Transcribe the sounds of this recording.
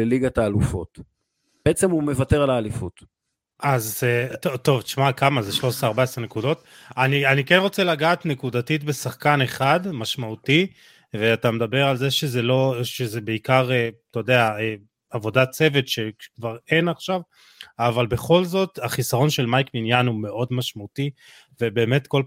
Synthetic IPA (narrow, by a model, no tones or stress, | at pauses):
eliɡat̪aːlufo̞̰t | beʔet͡semume̞vateʁalaːlifut̪ | ʔazet̪ot̪o̞vt̪i̥ʃmakamazeʃlo̞seaʁbaesʁne̞kudo̞t̪ | anianikenʁo̞t͡selaɡaːt̪ne̞kudatitbe̞saχkane̞χadmaʃmauti | veatamed̪abe̞ʁalzeʃezelo̞ʃezebeikaʁetojd̪eae | avo̞dat͡se̞ve̞t̪ʃe̞kvaʁe̞naχʃav | avalbe̞χo̞lzo̞t̪aχisaʁo̞nʃe̞lmajkminjanume̞ʔo̞dmaʃmauti | vebe̞ːme̞t̪ko̞l